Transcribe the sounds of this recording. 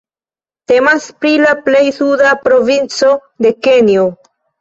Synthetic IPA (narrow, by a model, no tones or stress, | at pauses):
te̞maspɾilaple̞jsudapɾo̞vint͡so̞ | de̞ke̞njo